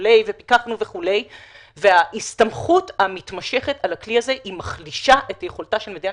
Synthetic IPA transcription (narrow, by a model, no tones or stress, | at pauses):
le̞jve̞pi̥kaχnuve̞χule̞j | ve̞aistamχuthamitmaʃe̞χetalakliaze̞himaχliʃaʔe̞tajeχoltaʃelmed̪ia